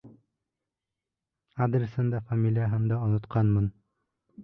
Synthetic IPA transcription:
ad̪ɾsɤnd̪ɑfamʲilʲijaɦæmd̪ɑonŏt̪qʰɑnmɤn

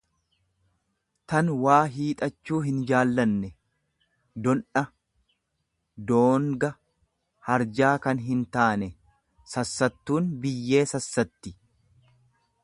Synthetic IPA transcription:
t̪ɐnwaːɦiːt̪ʼɐt͡ʃːuːɦɪnd͡ʒaːlːɐnːɛ | d̪ɔnɐ | d̪oːŋɡɐ | hɐɾd͡ʒaːkɐnɦɪnt̪aːnɛ | sɐsːɐt̪ːuːnbɪjːe̞ːsɐsːɐt̪ːɪ

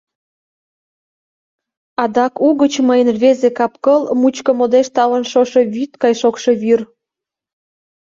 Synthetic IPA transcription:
ɑd̪ɑkuɣət͡ɕməjənβezekɑpkəlmut͡ɕkəmod̪eʃt̪ɑlənʃoʃe̽βyt̪kɑjʃokʃoβyr

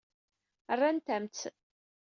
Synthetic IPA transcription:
ərːant̪æmt͡sː

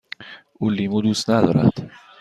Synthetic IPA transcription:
ulːimud̪usnaðɔɾa̰t̪

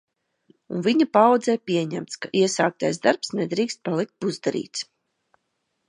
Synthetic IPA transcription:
unviɲapawd̪zɛjpʲiɛɲæmt̪skaʔiɛsaːk̚t̪ajzd̪aɾpsnɛd̪ɾiːkst̪̚palˠik̚t̪̚buzd̪aɾḭːt̪s

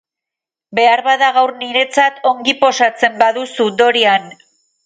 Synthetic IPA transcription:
be̞aɾβaðaɣawrniɾe̞t͡sat̪o̞ŋɡipo̞sat͡se̞mbaðusud̪o̞ɾian

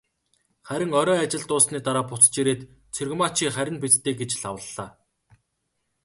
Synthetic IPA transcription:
χæɾʲɪ̆ŋɔɾɔːat͡ɕɪ̆ɮt̪ʊːsniːt̪aɾaːpʊt͡st͡ɕiɾeːt̪ | t͡sʰɵrɣ̆mat͡ɕiːχæɾʲɪ̆npet͡st̪ʰeːɡet͡ɕɮawə̆ɮːaː

